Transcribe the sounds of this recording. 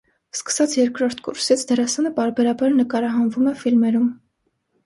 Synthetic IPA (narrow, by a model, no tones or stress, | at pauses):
skə̥sɑt͡sʰjɛɾkɾɔɾt̪ʰkṵɾsit͡sʰd̪ɛɾɑsɑnəpɑɾbɛɾɑbɑɾnəkɑɾɑɦɑnvumɛfilmɛɾum